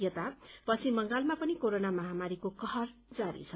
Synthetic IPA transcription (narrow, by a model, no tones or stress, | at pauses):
jʌt̪apʌt͡sʰimʌŋɡalmapʌnikoɾonamʌɦamaɾikokʌɦʌrd͡zaɾḭt͡sʰʌ